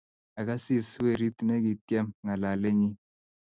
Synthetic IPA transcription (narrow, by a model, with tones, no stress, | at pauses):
a˨ka˦si˦swe˦˨ɾi˦ti˨ne˦ki˨tje˦mŋa˨la˨le˦ɲi˦